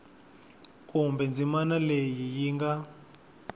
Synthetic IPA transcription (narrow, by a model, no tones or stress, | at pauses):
kumbɛnd͡zimanalejijiːŋɡa